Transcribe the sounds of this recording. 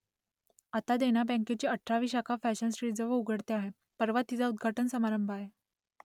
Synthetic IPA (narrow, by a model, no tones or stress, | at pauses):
at̪ad̪eñabɛ̃ŋket͡ɕiːəʈʰːɾaʋiːɕakʰafæɕənsʈɾiːd͡zəʋəuɡʱəɽt̪eaɦe | pəɾʋat̪ːid͡zaud̪̚ɡʱaʈənsəmaɾəmbʱaɦe